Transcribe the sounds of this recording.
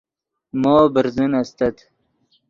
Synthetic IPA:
moːbəɾzənast̪at̪

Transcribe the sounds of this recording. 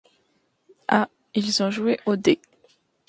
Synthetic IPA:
a | ilzɔ̃ʒueʔod̪e

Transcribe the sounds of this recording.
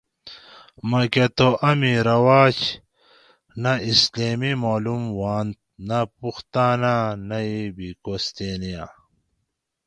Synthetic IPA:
mɐket̪oʔɐmiɾɐwaːt͡ɕ | nɐisleːmimoːlumwaːnt̪̚nɐpuxt̪aːnanɐibikost̪eːnija

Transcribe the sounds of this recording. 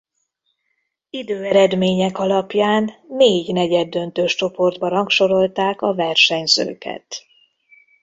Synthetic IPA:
id̪øːɛɾɛd̪meːɲɛkɒlɒpjaːnːeːɟnɛɟɛd̪ːønt̪øːʃt͡ʃo̞po̞rd̪bɒɾɒŋkʃo̞ɾo̞lt̪aːkɒvɛrʃɛɲzø̰ːkɛ̰t̪

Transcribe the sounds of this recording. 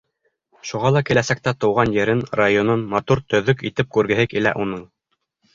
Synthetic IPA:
ʃuʁɑlˠɑkɘ̆læsæk̚t̪æt̪ŏwʁɑnjɘ̆ɾɘnrajononmɑt̪uɾt̪ɵ̆ðɵkit̪ɘp̚kʉɾɡɘ̆ɦɘkilæ̰ʔunɤɴ

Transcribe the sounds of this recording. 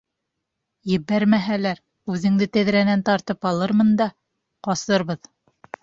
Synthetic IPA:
jɘ̆βæɾmæɦælæɾ | ʉðɘ̆ŋd̪ɘt̪æ̆ðɾænænt̪ɑɾt̪ɤpɑlˠɤɾmɤnd̪ɑ | qɑsɤɾβɤð

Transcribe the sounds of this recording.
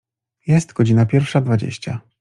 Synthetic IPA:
jɛst̪ɡ̥ɔd͡ʑinapʲjɛɾfʂad̪vad͡ʑḛɕt͡ɕa

